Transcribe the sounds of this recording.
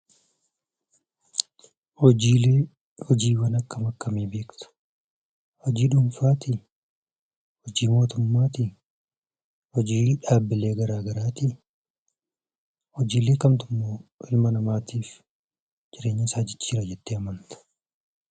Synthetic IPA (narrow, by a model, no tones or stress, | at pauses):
hɔd͡ʒiːeː | hɔd͡ʒiːwɐnɐkːɐmɐkːɐmiːbe̞ːkt̪ʊ̥ | hɔd͡ʒiːᶑʊmfaːt̪ɪ | hɔd͡ʒiːmo̞ːt̪ʊmːaːt̪ɪ | hɔd͡ʒiːᶑaːbːɪle̞ːɡɐɾaːɡɐɾaːt̪ɪ | hɔd͡ʒiːleːkɐmt̪ʊmːoːʔɪlmɐnɐmaːt̪iːf | d͡ʒɪɾe̞ːɲːɐsaːd͡ʒɪt͡ʃːiːɾɐd͡ʒɛt̪ːeːɐmɐnt̪ɐ̥